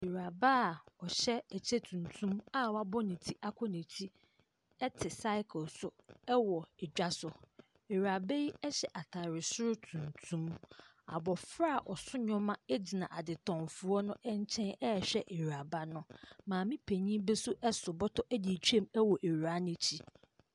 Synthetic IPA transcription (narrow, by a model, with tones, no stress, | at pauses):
e˨ɾa˨ba˦˨ɔ˨ɕɛ˦æ˨t͡ɕʰe˦tʰũ˨ntʰũ˦ma˦wa˦bɔ˦nĩ˨tʰi˦ʔa˦kʷʰɔ˦nĩ˨tʰi˦ | ɛ˦tʰɪ˨sa˦ɪ˦kʰʊ˨lsʊ˨ɛ˦wɔ˨ɛ˨d͡ʑᶣa˦sʊ˨ | e˨ɥa˨be˦ji˦ɛ˦ɕɛ˨ʔa˨tʰa˨ɾɪ˨sʊ˦ɾʊ˦tʰũ˨ntʰũ˦m | a̰˨bɔ˨fɾa˦˨ʔɔ˨sʊ˦ɲɔ̃˦mã˦ɛ˦d͡ʑi˨nã˨ʔa˨dɪ˨tʰɔ̃˨mfʊ˨ɔ˦nʊ̃˦ʔɛ˦ɲ˦t͡ɕʰɛ̃˦nɛ˦ɛ˨ɕᶣɛ˦ʔe˨ɾa˨ba˦nʊ̃˦mãː˨mĩ˦pʰe˨ɲĩ˦bɛ˦sʊ˦ʔɛ˦sʊ˨bɔ˦tʰɔ˦ʔæ˦di˨t͡ɕᶣu˦e˦˨mɛ˦wɔ˨ʔe˨ɥa˦nɪ̃˦t͡ɕʰi˦